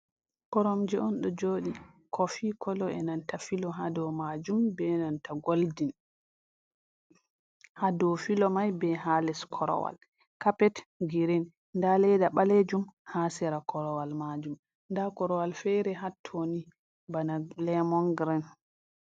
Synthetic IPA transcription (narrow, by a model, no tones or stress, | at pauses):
kɔɾɔmd͡ʒɛɔnɗɔd͡ʒoɗi | kʰɔfikʰɔlɔɛnantafilɔɦadɔmad͡ʒumbɛnantaɡoldin | hadɔfilɔmajbɛɦalɛskʰɔɾɔ̰wa̰l | kapɛtɡiɾɛn | ndalɛdaɓaled͡ʒumhasɛɾakʰɔɾɔwalmad͡ʒum | ndakɔɾɔwalfɛɾɛɦatʰːoni | banalɛmɔŋɡɾɛn